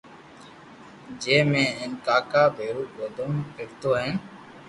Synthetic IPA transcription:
d͡ʒeːmẽːɪnkaːkaːbʱeːɾuːboːd̪ʱəmɪːkt̪oːɦɛ̃ː

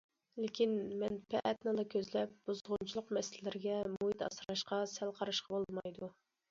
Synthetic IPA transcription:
lɪkʲinmɛnpʰɛ̰ʔɛt̪nɨlˠɨkʲʰøzlɛp̚b̥uzʁʊnt͡ʃʰilˠʊqmɛsɪlɪlɪɾɪɡʲɛmuit̪ɑ̰sɾɑʃqɑsælqʰɑɾɑʃqʰɑbolˠmɑjd̪u

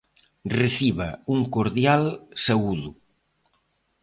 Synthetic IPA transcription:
reθiβa̰uŋkoɾðjalsaɣuðu

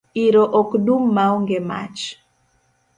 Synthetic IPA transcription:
iɾoʔɔkdumːaɔŋɡema̰t͡ʃ

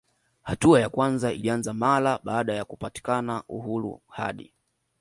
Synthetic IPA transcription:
hatuajakwanzaḭlianzamalaɓaːɗajakupati̥kanaʔṵhuɾṵha̰ɗḭ

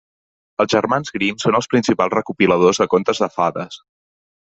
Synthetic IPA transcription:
əlˠzʒərmanzɣɾimsonəlˠspɾinsipalˠzrəkupiləð̞ozðəkont̪əzðəfaðəs

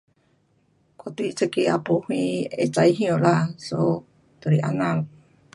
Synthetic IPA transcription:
kot̪it͡səkea̰puhiet͡saiɦĩolaso | t̪oɾiʔa̰nal

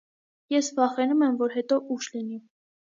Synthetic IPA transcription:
jɛsvɑχɛnumɛmvɔɾɦɛt̪ɔʔuʃlini

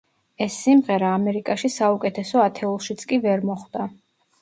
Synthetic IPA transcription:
ɛsːimʁɛɾaːmɛɾikʼaʃisaukʼɛt̪ʰɛsɔat̪ʰɛulˠʃit̪sʰkʼivɛɾmɔχwd̪a

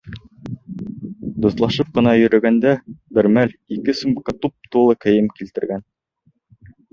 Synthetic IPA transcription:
d̪ŭθlˠɑʃɤp̚qɤ̆nɑjɵ̆ɾɵ̆ɡænd̪æbɘ̆ɾmælikɘsŭmbkɑt̪up̚t̪ulˠɤkɘ̆jɘmkilt̪ɘ̆ɾɡæn

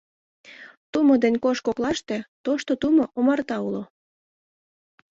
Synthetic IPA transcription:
t̪umod̪enʲkoʃkoklɑʃt̪et̪oʃt̪ot̪umoʔomɑrt̪ɑulo

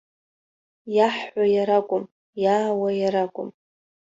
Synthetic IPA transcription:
jaħːʷajaɾakʷʼʊm | jaːwajaɾakʷʼʊm

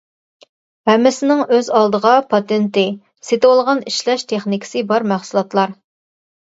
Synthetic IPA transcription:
hɛmːɪsɪnɪŋøzɑlˠd̪əʁɑpʰɑt̪ɪnt̪ɪ | set̪ɪwolˠʁɑniʃlɛʃt̪ʰeχnɪkʲʰɪ̥sɨbɑɾmæχsulˠɑt̪lˠɑɾ

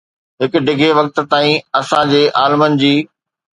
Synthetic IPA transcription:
ɦɪkʊ̆ɖɪɡʱeʋɐk̚t̪̆t̪aːĩɐsãd͡ʑeːʔaːlmənɪ̆d͡ʑiː

